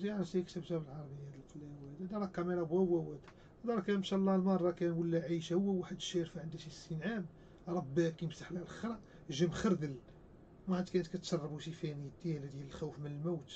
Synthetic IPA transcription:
t̪jʕɾəfsikt̪æbt̪æbəlʕɑɾˤbəjːhæd̪əlqlæwæd̪æd̪ɑɾˤɑkːæmeɾˤɑbwæwæwæt̪ | d̪ɑɾˤkænmʃælˤːɑlmɑrˤːɑkænwəlːæʕiʃhʊwːæwaħəd̪ʃæɾfaʕənd̪æʃist̪inʕam | ɾˤɑbːækiəmsaħlælxɾˤɑ | ʒəmxəɾd̪əl | mæħat̪ːkænət̪kæt̪sɑrˤːɑbuʃifæniəd̪ːjælæd̪jæləlxæwfmənəlmuwt̪

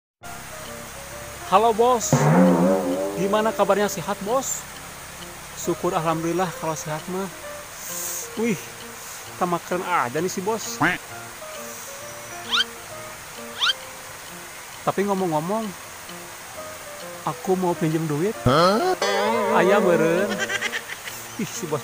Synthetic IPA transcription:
halobɔs | ɡimanakabarɲasiɦat̪̚bɔs | sukʊraɦlamdiilahkalosiɦat̪̚ma | uih | t̪amakɾəŋadanisibɔsɛ | t̪apiŋɔmɔŋːɔmɔŋ | akumaupɛɲd͡ʒəmduit̪̚ə | ajaməɾən | wihsibɔs

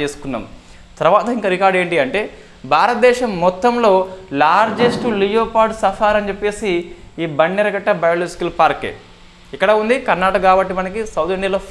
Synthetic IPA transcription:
t͡ʃeːsu̥kunːa̰ːm | t̪ɐɾɐʋaːt̪ɐiŋkɐɾikaːɾɖe̞ːɳʈiɐɳʈe̞ː | bʱaːɾɐt̪ɐd̪ɛːʃɐmːɔt̪ːɐmlo̞ːlaːɾd͡ʒesʈulijoːpaːɖsɐfʰaːɾɐnt͡ʃepːe̞ːsiːbɐɳːɛɾɐɡɐʈːɐbɐjɐluskilpaːɾkḛː | ikːɐɽɐːund̪ikɐɾnaːʈɐkɡaːbɐʈːimɐnɐkisɐwt̪iɳɖialoː

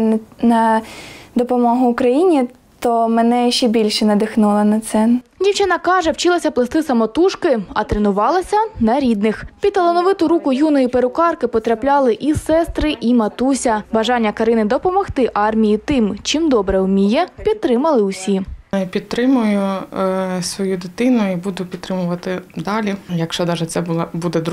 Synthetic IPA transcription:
nɐ | d̪ɔpɔmɔɦʊːkɾɐjinʲi | t̪ɔmɛnɛʃɛbʲilʲʃɛnɐd̪ɪxnulˠɐnɐt̪sɛndʲiwt͡ʃɪnɐkɑʒɛwt͡ʃɪlˠɐsʲɐplˠɪst̪ɪsɐmɔt̪uʃkɪɐt̪ɾenʊʋɑlˠɐsʲɐnɐɾʲid̪nɪxpʲid̪̚t̪ɐlˠɔnɔʋɪt̪ʊɾukʊjunɔjipeɾʊkɑrkɪpɔt̪ɾɐplʲɑlˠɪʔisɛst̪ɾɪʔimɐt̪usʲɐbɐʒɑnʲːɐkɐɾɪnɪd̪ɔpɔmɔxt̪ɪʔɑrmʲijit̪ɪmt͡ʃimd̪ɔbɾɛʊmʲijɛpʲidt̪̚t̪ɾɪmɐlˠɪʊsʲipʲid̪̚t̪ɾɪmʊjʊ | sʋɔjud̪ɪt̪ɪnʊibud̪ʊpʲid̪̚t̪ɾɪmʊʋɐt̪ɪd̪ɑlʲijɐkʃt͡ʃɔd̪ɑʒɛt̪sɛbuɐbud̪ɛd̪ɾ

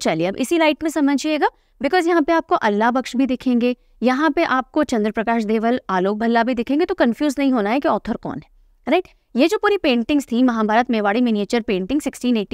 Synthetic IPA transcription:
t͡ʃɐlieɐbʔɪ̰silaːɪʈmẽsɐməd͡ʒʱieːɡaː | bɪkɔːzjɐɦãpeaːp̚koʔɐlːabɐkʃbʱid̪ɪkʰẽːŋɡeː | jɐɦãpeʔaːp̚kot͡ʃɐ̃nd̪ɾəpɾɐkaːʃd̪eːʋəlaːloːk̚bʱɐlːabʱid̪ɪkʰẽːŋɡet̪okɐnfjuːznɐɦĩɦoːnaɦɛkeɔːt̪ʰəɾkɔ̰ːnɦɛː | ɾaɪʈ | jed͡ʒoːpuːɾipẽːɳʈɪ̃ŋɡz̥t̪ʰimɐɦãbʱaːɾət̪meːʋaːɽimɪnieːt͡ʃəɾpẽːɳʈɪ̃ŋɡsɪksʈiːneːʈːi

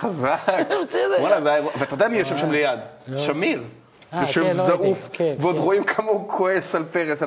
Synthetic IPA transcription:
χazaksewolabajavalataod̪amijoʃevʃamlejad̪ʃamiʁ | joʃevzaʔufveod̪ʁoimkʰamaukʰoesalpeʁesa

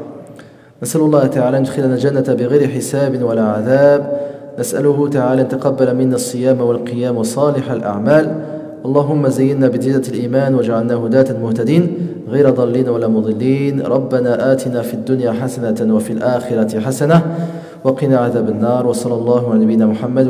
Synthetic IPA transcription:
nasʔalʊlˤːɑːht̪aʕaːlaːʔnʊd̪xɪlnaːld͡ʒanːabɪɣajɾɪħɪsaːbɪnwalaːʕaðaːbnasʔa̰lʊhʊt̪aʕaːlaʔnt̪aqɑbːalamɪnːaʔsˤːɨjaːmwalqɨjaːmwɑsˤːɑːlɪħalʔa̰ʕmaːl | ʔɑlˤːɑːɦʊmːazajːɪnːaːbɪd̪ɪːnːalʔiːmaːnwad͡ʒaʕalnaːhʊd̪aːt̪anmʊht̪ad̪iːn | ɣajɾad̪ˤɑlːiːnwalaːmʊd̪ˤɨlːiːnɾˤɑbːanaːʔaːt̪ɪnaːfiad̪ːʊnjaːħasanawafiːlʔaːxɪɾˤɑt̪ɪħasana | wɑqɪnaːʕaðaːbanːɑːɾˤwɑsˤɑlːɑlˤːɑːhʊʕalanabijːnaːmʊħamːad̪

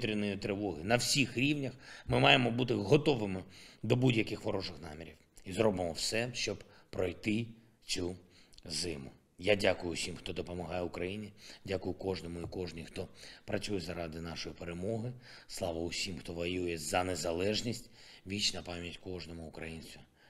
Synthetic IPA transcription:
t̪ɾʲinːɔjɪt̪ɾɪʋɔɦɪnɐwsʲixɾʲiwnʲɐxmɪmɑjemɔbut̪ɪɦɔt̪ɔʋɪmɪd̪ɔbudʲjɐkɪxʋɔɾɔʐɪxnɑmʲiɾʲiw | izɾɔbɪmɔwsɛʃt͡ʃɔb | pɾɔjt̪ɪ | t͡s̪ʲuzɪmʊ̰ | jadʲakʊjʊsʲimxt̪ɔd̪ɔpɔmɐɦɑjɛʊkɾɐjinʲidʲakʊjʊkɔʒnɔmʊikɔʒnʲixt̪ɔpɾɐt͡sʲujɛzɐɾɑd̪ɪnɑʃɔjipeɾemɔɦɪslˠɑʋɐʊsʲimxt̪ɔʋɐjujɛzɐnezɐlˠɛʒnʲisʲtʲʋʲit͡ʃnɐpɑmʲjɐtʲkɔʒnɔmʊːkɾɐjinʲt͡sʲʋʲi

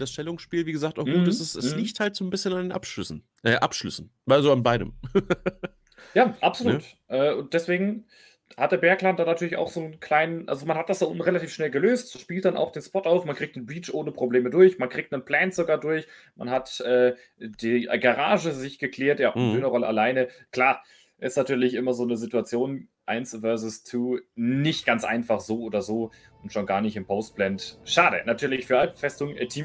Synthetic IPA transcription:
d̥asʃtɛlʊŋsʃpiːlviːɡəzaːk̚taʊɡ̥uːtɛsɪsɛsliçthaltz̥oːnbɪsçənandeːnʔa̰pʃʏsn̩ | ʔɛːʔapʃlʏ̰sn̩ | vazoːanbaɪdə̰m | jaːʔapz̥oluːtʔɛːʔʊnt̚d̥ɛsv̥eːɡŋ̩ | hat̚d̥eːɐbɛːɐkl̥andanatʰyɐlɪça̰ʊxz̥oːnkʰl̥aɪnənʔa̰lzomanhatd̥asd̥aʔʊntn̩ʁelatʰiːfʃnɛlɡəløːstʃpiːlt̚d̥anʔa̰ʊxd̥eːnspɔtaʊfmankʁ̥iːk̚tnənbiːt͡ʃʔoːnəpʁ̥obleːmədʊɐçmankʁ̥iːk̚tnənpl̥ɛːnz̥oɡaːɐdʊɐç | ma̰nɦatʔɛː | d̥iːɡaʁaːʒəzɪçɡ̥əkleɛːɐtjaːʔndøːnɐʁɔləʔalaɪnəkl̥aː | ʔɪstnatʰyːɐlɪçʔɪmɐzoːnəzɪtuat͡sjoːn | ʔaɪnsvɛɐzʊstʰuːnɪçtɡ̥ant͡sʔa̰ɪnfaχz̥oːʔoːdɐzoː | ʊntʃoːnɡaːɐnɪçtɪmpʰoʊst̚b̥lɛntʃaːdə̰natʰyːɐlɪçfyːɐʔalp̩fɛstʊŋʔɛtʰiːm

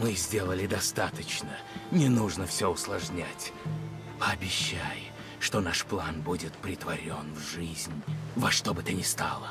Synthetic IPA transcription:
mɨzʲdʲe̞lˠəlʲɪd̪ɐst̪at̪ət͡ɕnə | nʲɪnuʐnəfsʲoʊslˠɐʐnʲatʲ | pəɐbʲɪɕːaj | ʂt̪onaʂplˠanbudʲɪt̪pɾʲɪt̪vɐɾʲonvʐɨzʲnʲvɐʂt̪obɨt̪ɨnʲɪst̪a̰lˠə

